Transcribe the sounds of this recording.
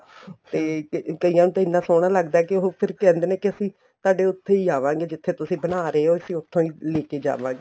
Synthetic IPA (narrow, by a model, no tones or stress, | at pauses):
t̪eːkəijãːnũːt̪əinãːsoːɽ̃aːləɡd̪aːɛkɪoɦoːpʰɪɾkɛ̃ːnd̪eːneːkɪəsĩː | t̪ʊaːɖeːʊt̪ʰːeːiːaːʋãːɡeːd͡ʒɪt̪ʰːeːt̪ʊsĩːbənaːɾeeːoːəsĩːʊt̪ʰːõːiːleːkeːd͡ʒa̰ːʋã̰ːŋɡeː